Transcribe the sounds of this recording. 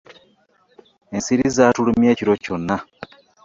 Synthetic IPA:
ensiɾizatulumjeːciɾo̞co̞nːa

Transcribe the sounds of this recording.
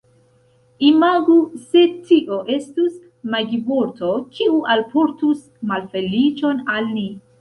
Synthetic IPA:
imaɡuse̞tʰiʔo̞ʔe̞stus | maɡibo̞ɾto̞kʰiuʔalpo̞ɾtus | malfe̞lit͡ʃo̞nalni

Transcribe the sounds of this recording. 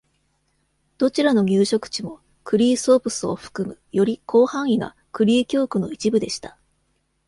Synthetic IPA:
d̪̥o̞t͡ɕiɾano̞ɲʲɨːɕo̞kɯ̟̥t͡ɕimo̞ | kɯ̟ɾʲiːso̞ːpɯ̟sɨo̞̰ɸɯ̥kɯ̟mɯ̟jo̞ɾʲikʰo̞ːhãɰ̃iɡa̰ | kɯ̟ɾʲiːkʲo̞ːkɯ̟no̞̰it͡ɕibɯ̟d̪e̞ɕi̥t̪ḁ

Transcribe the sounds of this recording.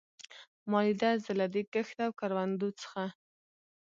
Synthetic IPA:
mɑlid̪azɪlad̪ikəxt̪awkaɾwand̪ot͡sə̥xa

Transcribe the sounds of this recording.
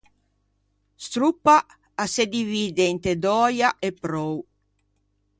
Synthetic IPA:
st̪ɾupːaː | sed̪iviːd̪eint̪ed̪ɔːjaʔepːɾɔw

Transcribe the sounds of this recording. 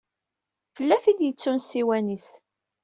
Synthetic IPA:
fəlːæfid̪jət͡sːunsiwænis

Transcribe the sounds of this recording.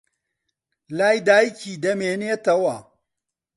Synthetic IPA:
laːjd̪aːjkiːd̪ɐmeːneːt̪ɐwɐ

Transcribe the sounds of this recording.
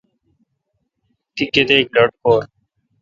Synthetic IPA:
t̪ikːet̪ek̚ləʈkoːɾ

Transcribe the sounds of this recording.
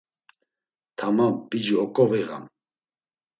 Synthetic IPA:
t̪ʰamamb̥id͡ʒiɔkʼɔviɣa̰m

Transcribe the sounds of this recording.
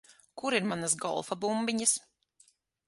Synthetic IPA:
kuɾiɾmanasɡɔ̰lˠfabumbiɲɨs

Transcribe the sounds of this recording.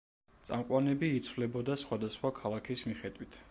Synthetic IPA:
t̪sʼa̰mqʼwanɛbiːt̪sʰvlɛbɔd̪asχwad̪asχwakʰalˠakʰismiχɛd̪wit̪ʰ

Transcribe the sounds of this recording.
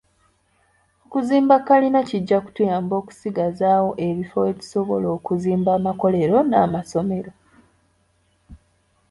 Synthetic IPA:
okuziːmbakːalinaciɟːaku̥tujaːmbo̞ːku̥siɡazaːwo̞ʔe̞βifoeβi̥so̞βo̞lo̞ːkuziːmbaːmako̞le̞ɾo̞naːmaso̞me̞ɾo̞

